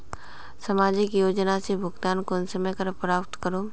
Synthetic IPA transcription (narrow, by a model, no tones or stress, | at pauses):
sɐmaːd͡ʒɪkjoːd͡ʒnasebʱʊɡt̪aːnkoːnsəməjkɐɾɐpɾaːp̚t̪kəɾoː